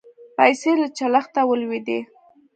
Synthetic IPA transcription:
pajselat͡ʃalaxt̪awəlwid̪e

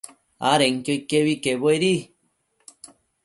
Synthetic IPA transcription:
aɾeŋkojkeβikeβoeɾi

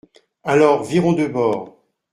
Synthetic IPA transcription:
alɔʁviʁɔ̃d̪øbɔːʁ

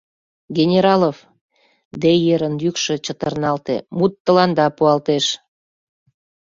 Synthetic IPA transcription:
ɡʲenʲeɾɑlov | d̪ejeɾənjykʃet͡ɕət̪ərnɑlt̪ḛmut̪ːəlɑnd̪ɑpuɑlt̪eʃ

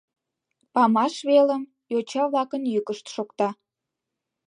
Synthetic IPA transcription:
pɑmɑʃβeləm | jot͡ɕɑβlɑkənjykəʃt̪ʃokt̪ɑ

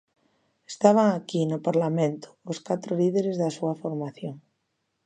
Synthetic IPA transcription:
est̪aβ̞aŋakinopaɾlamẽnt̪o̥oskat̪ɾoliðeɾezðasuafoɾmaθjoŋ

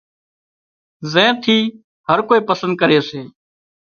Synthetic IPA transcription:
zẽːt̪ʰiː | həɾkoːiːpəsə̃nd̪̚kəɾeːseː

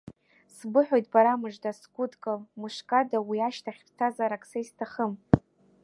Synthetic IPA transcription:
sbɨħʷᶣojtʼbaɾamɨʐdasɡʷʊdkʼalmɨʂkʼadawiaʃtʰaχʲpʰʼtʰazaɾakʰʼsaistʰaχəm

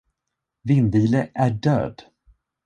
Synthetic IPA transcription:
vɪnd̪iːləʔæɖø̰ːd̪

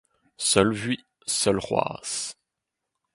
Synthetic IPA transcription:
sœlvɥi | sœlʁwa̰ːs

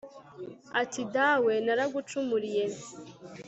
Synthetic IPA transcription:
atidawenaɾaɡut͡ʃumuɾije

